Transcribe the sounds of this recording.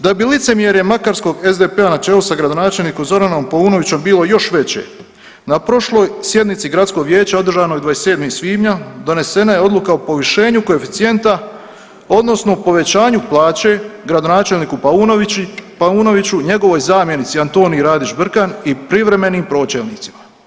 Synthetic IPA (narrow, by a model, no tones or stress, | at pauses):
d̪abilit̪se̞mje̞ɾjemakaɾsko̞ɡe̞zd̪epe̞anat͡ʃe̞ːlusaɡɾad̪o̞naːt͡ʃe̞lˠniːkomzo̞ɾano̞mpauːno̞ʋit͡ɕo̞mbiːlo̞jo̞ʃʋe̞t͡ɕḛ | napɾo̞ʃlo̞jsje̞d̪nit̪siɡɾat̪sko̞ɡʋjeːt͡ɕao̞d̪ɾrʒaːnojd̪ʋajese̞ːd̪misʋiːmɲad̪o̞ne̞se̞najeo̞d̪lukaopo̞ʋiʃe̞ːɲuko̞e̞fit̪sie̞nt̪a | o̞d̪no̞sno̞po̞ʋe̞t͡ɕaːɲuplˠaːt͡ɕe̞ɡɾad̪o̞naːt͡ʃe̞lniːkupunopauːno̞ʋit͡ɕuɲe̞ɡo̞ʋo̞jzaːmje̞nit̪siant̪o̞ːnijɾaːd̪it͡ʃbr̩kanipɾiʋɾe̞me̞niːmpɾo̞ːt͡ɕelniːt̪si̥ma